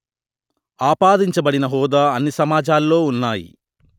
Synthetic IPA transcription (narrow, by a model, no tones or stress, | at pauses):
aːpaːd̪iɲt͡ʃɐbɐɽinɐɦɔːd̪aːɐnːisɐmaːd͡ʒaːlːo̞ːunːaːjḭ